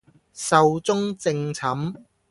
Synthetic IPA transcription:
sɐ˨˧wt͡sʊ˥ŋt͡sɪ˧ŋt͡sʰɐ˨˥m

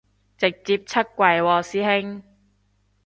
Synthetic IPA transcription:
t͡sɪ˨˩k̚t͡siː˧p̚t͡sʰɐ˥t̚kʷɐ˨˩jwɔː˨˩siː˧˥he˥ŋ

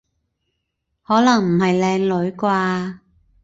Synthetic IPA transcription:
hɔː˨˥lɐ˨˩ŋm̩˨˩hɐ˨jlɛː˧ŋlɵ˨˥ɥkʷwaː˧

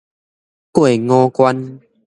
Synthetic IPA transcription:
kwe˨ŋɔ̃˦kwa˦n

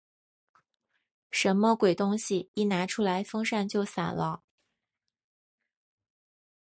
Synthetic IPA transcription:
ʂə˧˥nmə˧kwe˨˩ɪt̪ʊ˥ŋɕi˨˩i˥˩na˧˥ʈ͡ʂʰu˥la˧˥ɪfɤ˥ŋʂa˥˧nt͡ɕjo˥˩ʊsa̰˨˩nlə˦

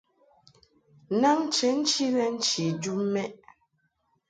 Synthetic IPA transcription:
na˦ŋ̩˦t͡ʃe˨˦n̩˦t͡ʃi˦lɛ˦n̩˦t͡ʃi˨d͡ʒu˦mɛ˦ʔ

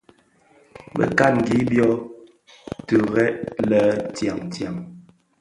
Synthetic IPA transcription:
bə̰˨ka˦tŋ̩˨ɡi˨˦bjɔ˦ | tu˨ɣɛ˦ʔlə˦tja˨ŋtja˨ŋ

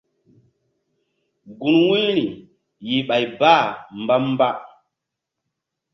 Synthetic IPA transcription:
ɡu˨nwu˦ɾi˨ | ji˨ɓa˨jbaː˦˨mba˦mba˦

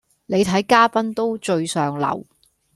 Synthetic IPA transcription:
ne˨˧jt̪ʰɐ˨˥jkaː˥pɐ˥nt̪o˥wt͡ʃɵ˧ɥsœː˨ŋlɐ̰˨˩w

